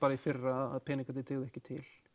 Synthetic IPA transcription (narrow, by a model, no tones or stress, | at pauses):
paːɾaifɪrːaaða̰ðpʰɛːnɪŋkat̪ɪt̪ʰɪːɣðʏɛhcɪt̪ʰɪl